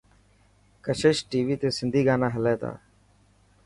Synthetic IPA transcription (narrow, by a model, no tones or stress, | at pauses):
kəʃʰəʃʈiːʋiːt̪eːsɪnd̪ʱiːɡaːnãːɦəlɛːt̪a̰ː